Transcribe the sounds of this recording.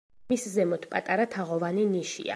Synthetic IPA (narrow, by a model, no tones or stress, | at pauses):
miszɛmɔt̪ʰpʼat̪ʼaɾat̪ʰaʁɔvaniniʃḭa̰